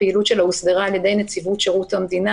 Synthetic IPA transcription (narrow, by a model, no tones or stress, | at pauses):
eilutʃelausdeʁaːlje̞d̪e̞jnet͡sivut̪ʃeʁut̪hamd̪ina